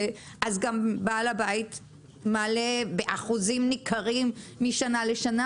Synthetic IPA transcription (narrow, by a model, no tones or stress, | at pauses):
ʔazɡambalabait̪ | malebeʔaχuzimnikʰaʁimːiʃanaleʃana